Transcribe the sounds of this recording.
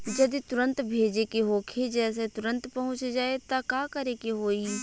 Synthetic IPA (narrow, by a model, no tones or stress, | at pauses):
d͡ʒɐd̪it̪ʊɾə̃nt̪bʱeːd͡ʒekeɦoːkʰed͡ʒɛːs̬et̪ʊɾə̃nt̪pɐɦʊ̃t͡ʃd͡ʒaːet̪akaːkɐɾekeɦoːi